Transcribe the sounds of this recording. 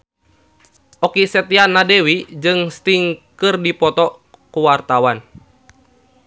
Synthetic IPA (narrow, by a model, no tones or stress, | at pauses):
ʔɔkisɛt̪ianːadɛwid͡ʒɨŋst̪iŋkɨrdipɔt̪ɔ | kuwart̪awan